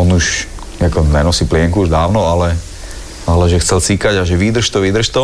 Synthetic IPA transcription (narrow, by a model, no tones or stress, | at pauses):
ɔnuʃ | akɔnɛnɔsiːplɪɛŋkuuʒd̪aːʊnɔalɛ | alɛʒɛxt͡sɛlt͡sikaɟaʒɛʋiːd̪r̩ʃt̪ɔʋid̪r̩ʃt̪ɔ